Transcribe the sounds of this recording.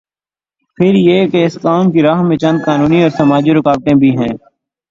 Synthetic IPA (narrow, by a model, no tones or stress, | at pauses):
pʰɪɾjeːkeɪskaːmkiɾaːɦmẽt͡ʃɐ̃nd̪̚kaːnuːniɔːɾsəmaːd͡ʒiɾʊkaːbʈ̪ẽbʱiɦɛ̃ː